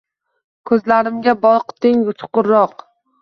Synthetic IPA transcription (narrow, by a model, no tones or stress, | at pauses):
kʰɵzlaɾɪmɡʲabɒɾqt̪ɪŋʊt͡ʃ̪ʰʊ̥qʊɾːɒq